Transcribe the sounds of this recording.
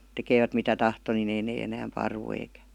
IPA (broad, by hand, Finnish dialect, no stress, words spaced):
tekeːʋæt mitæ tɑhto ni ei neː enæːm pɑrʋu eikæ